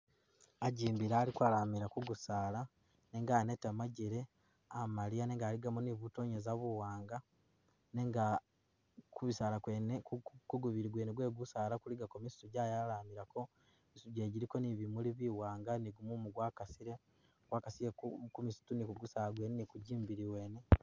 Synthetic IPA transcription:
aɟiːmbiɾaːlikwalaːmiɾakuɡusaːla | neŋɡaːnetamaɟiɾe̞ | amaɾijaneŋɡaːliɡamuniβuto̞ɲezaβuwaːŋɡa | neŋɡa | kuβisaːlakwenekkuɡuβiɾiɡweːneɡwe̞ːɡusaːlakuliɡakomistuɟaːjalaːmiɾako̞ | misuɟe̞ːɟiɾiko̞niβimuliβiwaːŋɡaniɡumumuɡwaːkasiɾe̞ | ɡwaːkasijekkumisu̥tunikuɡusaːlaɡwenenikuɟiːmbiɾiweːne

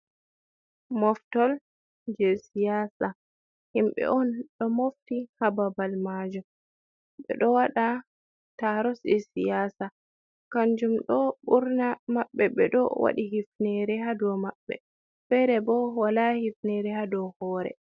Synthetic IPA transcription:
mɔftɔl | d͡ʒɛsijaːsa | himɓɛ̰ʔɔnɗɔmoftihababalmad͡ʒɔ | ɓɛ̰ɗɔwaɗa | taɾɔsisijasa | kaɲd͡ʒumɗɔɓuɾnamaɓːɛɓɛ̰ɗɔ̰wa̰ɗiɦifnɛɾɛhadɔmaɓːɛ̰ | fɛɾɛbɔwalahifnɛɾɛhadɔhɔːɾɛ̰

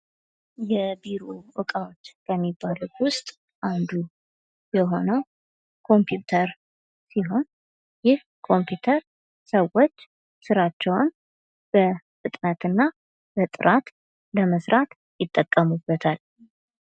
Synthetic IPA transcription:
jɛbiɾowɨkʼawot͡ʃːkəmːibːaluwʊst̪ʼ | ʔand̪u | jɛɦo̞nəw | kʰo̞mpʰjut̪ʰəɾ | siɦo̞n | jɪh | kʰo̞mpʰjut̪ʰəɾ | səwot͡ʃː | sɨɾat͡ʃːɛwn | b̥ə | fɨt̪ʼnət̪ɨnːa | bət̪ʼɨɾʔat̪ | ləməsɾat̪ | jɪt̪ʼːəkʼːəmubːət̪ʰal

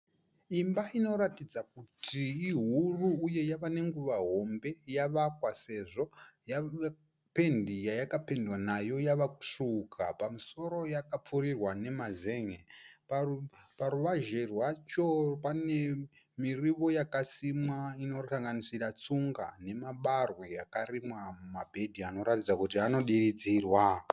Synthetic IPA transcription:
imbaino̞ɾatid͡zak̚utʰiːɦuruːje̞jaʋane̞ŋɡuʋaɦo̞mbe̞jaʋakwase̞ʐo̞ja | pe̞ndijajakape̞ndwanajo̞jaʋaku̥ʂukʰa̰pamuso̞ɾojakap͡furirwane̞maze̞ŋepapaɾuʋaʒe̞rwat͡ʃo̞pane̞ | miriʋo̞jakasimwaino̞saŋɡanisirat͡suŋɡa̰ne̞maɓarweakarimwamumabʱe̞dʱiano̞ɾatid͡zakutiano̞ɗirid͡ziːrwa

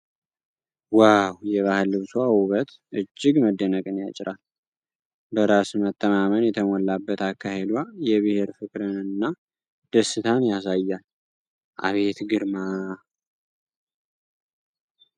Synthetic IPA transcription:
wawjɛβahɨlːɨβswawuβət̪ | ʔɨd͡ʒːɪɡməd̪ːənəkʼɨnja̰t͡ʃʼɪɾal | bəɾasmət̪ʼːəmamənjɛt̪ʰəmɔlːabːət̪akʰːahe̞d̪wajɛβɨhe̞ɾfɨkʼɾɨnɨnːa | d̪̥əsːɨt̪ʰanjasajːal | ʔa̰βe̞t̪ɡɨɾma

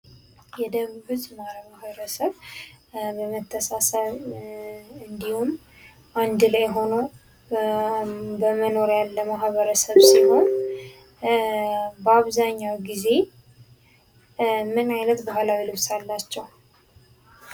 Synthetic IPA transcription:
jɛd̪əβuhɨzmaɾəmmahβəɾəsəβ | bəmət̪ʰːəsasaβ | ɨnd̪ihum | ʔand̪ɨlajɦo̞nəw | bəməno̞ɾjalːəmahβəɾəsəβsɨlho̞n | bəaβzaɲːawɡize̞ | mɨnajnət̪bəhalawilɨβsalːat͡ʃːɛw

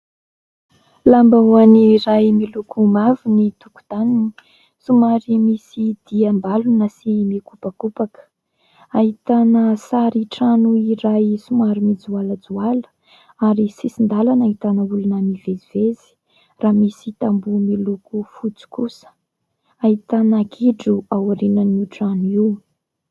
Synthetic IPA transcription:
lambauaniɾajmilukʰumavinit̪uku̥d̪anini̥ | sumaɾimisid̪̥iamb̪alunəsimikupakupakə̥ | aɦit̪anəsaɾiʈ͡ʂanuiɾajsumaɾimid͡zualəd͡zualə̥ | aɾisisind̪alanaɦit̪anəulunamivezivezi̥ | raːmisit̪ambumilukufut͡si̥u̥kusə̥ | aɦit̪anəɡiɖ͡ʐuawɾinəniʈ͡ʂanuiw

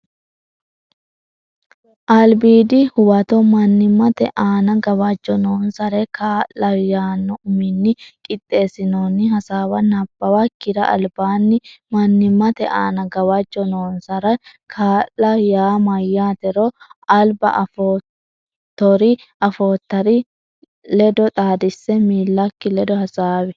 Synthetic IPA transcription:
ʔɐlbiːd̪ɪhʊwɐt̪ɔmɐnːɪmːɐt̪ɛ̰ʔaːnɐɡɐwɐd͡ʒːɔnoːnsɐɾɛkʰaːʔlɐjaːnːɔʔʊmɪnːɪkʼɪt̪ʼːe̞ːsɪnoːnːɪɦɐsaːwɐnɐb̥ːɐwɐkːɪɾɐʔɐ̰lbaːnːɪmɐnːɪmːɐt̪ɛʔaːnɐɡɐwɐd͡ʒːɔnoːnsɐɾɐkʰaːʔlɐjaːmɐjːaːt̪ɛɾɔɐlbɐ̰ʔɐfo | t̪ːɔɾɪ | ʔɐfoːt̪ːɐɾɪ | lɛd̪ɔt̪ʼaːd̪ɪsːɛmiːlːɐkːɪlɛd̪ɔhɐsaːwɛ

